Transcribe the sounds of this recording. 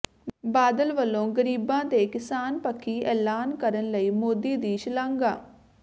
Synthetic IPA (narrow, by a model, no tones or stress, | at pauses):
baːd̪əlʋəlːõːɡəɾiːbãːd̪eːkɪsaːnpəkʰːiːʔɛːlaːnkəɾənləiːmoːd̪iːd̪iːʃɪlãːŋɡaː